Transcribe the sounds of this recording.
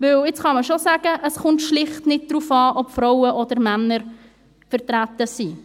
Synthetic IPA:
ʋɪwɪt͡sχɑməʃosæɡ̥əʔəsχʊntʃlɪχtnɪt̚d̥ɾuːfɑːʔɔpfɾɔʊəʔɔd̪əɾmænəɾ | fəɾtɾætəsi

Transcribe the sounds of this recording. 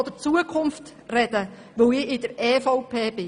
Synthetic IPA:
ɔd̥̪ət͡suəkʰʊmft̪ | rɛd̥̪ə | ʋɵwɪʔɪd̥̪əɾɛːfɔʊpʰeːbɪ

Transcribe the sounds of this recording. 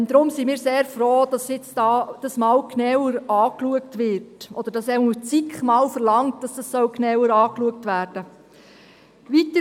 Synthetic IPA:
nd̪ɾʊmsimiːɾseːɾfɾoːd̥ɑsjɪt͡sd̥ɑːd̥ɑsmɑːlknɛwəɾɑːkluəktʋɪɾtʔɔd̪̥əɾd̥ɑsɛut͡sikχmɑːlfəɾlɑŋtd̥ɑsd̥ɑsːɔʊknɛwəɾɑːkluək̚tʋæːɾd̥ə | ʋitə

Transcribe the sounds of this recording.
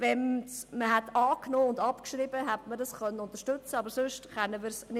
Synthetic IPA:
vɛnməɦætɑːknoːʊndɑpkʃɾibəɦætmədɑsχœnːəʊnt̪əʃtʉt͡səɑbəɾsøʃtχɛnːəmɪːɾsnɪ

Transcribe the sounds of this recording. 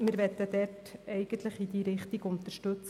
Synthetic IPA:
mɪɾʋɛt̪ːəd̪ɛtɛɪɡ̥ənt̪ləχid̪iːɾɪχt̪iɡʊnt̪əʃtɵt͡s

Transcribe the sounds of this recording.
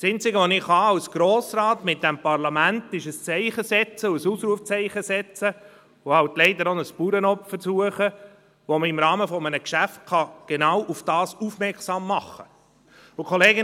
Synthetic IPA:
sent͡sɪɡəʋonɪχhɑɑwsɡ̥ɾoːsɾɑːtmɪt̚d̥ɛmpɑɾlɑmæntɪʃəst͡sɛɪχəsɛt͡səʊəsuːsɾuəft͡sɛɪχəsɛt͡sə | ʊhɑwtlɛɪd̪əɾɔnəspuɾənɔpfəsuəχə | ʋoməɪmɾɑːməfɔmənəkʃæft̚kɑɡ̥enɑwʔufd̥ɑːsufmɛɾksɑːmːɑχə | ʊkʰɔleːɡɪ

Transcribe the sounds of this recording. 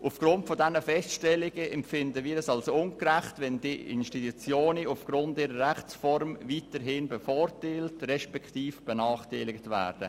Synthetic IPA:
ʔufɡ̥ɾʊntfodɛnəfɛstʃtɛlɪɡəʔɛmpfɪndəʋiːɾɛsɑlsoʊnkɾæχtʋɛndiɪ̰nʃtitut͡sjoːniʊfɡ̥ɾʊntiːɾəɾæχt͡sfɔɾmviːtəɾɦɪnbəfɔːɾtaːltɾɛʃpɛktiːfb̥ənɑːχtaɪlɪktvæ̰ːɾd̥ə

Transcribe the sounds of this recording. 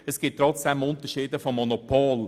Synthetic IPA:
əsɡ̥ɪtːrɔt͡sd̥ɛmʊnt̪əʃiːdəfomːonopʰoːl

